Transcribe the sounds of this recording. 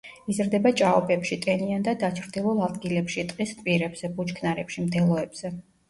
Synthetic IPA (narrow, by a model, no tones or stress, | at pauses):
izɾd̪ɛbat͡ʃʼaɔpʼɛpʃit̪ʼɛniand̪ad̪at͡ʃʰɾd̪ilˠulˠad̪ɡilɛpʃit̪ʼqʼist̪ʼpʼiɾɛbz̥ɛbut͡ʃkʰnaɾɛpʃimt̪ʰɛlˠɔɛbz̥ɛ